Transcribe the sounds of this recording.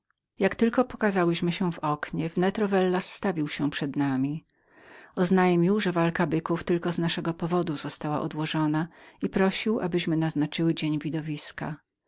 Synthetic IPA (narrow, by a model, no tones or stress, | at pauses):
jakt̪ɘlkɔpɔ̥kazawɘɕmɘɕɛvɔkɲɛvnɛt̪ɾɔvɛlːasːt̪avʲiwɕɛpʂɛd̪namʲi | ɔznajmʲiwʐɛvalkabɘkuft̪ɘlkɔznaʂɛɡɔpɔvɔd̪uz̥ɔst̪awa̰ʔɔ̰d̪wɔʐɔnaipɾɔɕiwʔa̰bɘɕmɘnaznat͡ʂɘwɘd͡ʑeɲvʲid̪ɔvʲiska̰